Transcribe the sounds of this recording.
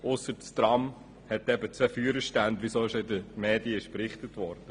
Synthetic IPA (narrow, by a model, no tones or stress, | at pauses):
ʊsːətst̪ɾɑm | hɛt̪ɛbət͡sʋɛfyəɾəʃtændʋisoɪʃoɪdəmeːdiəɪʃpɾɪχtətʋɔːɾd̥ə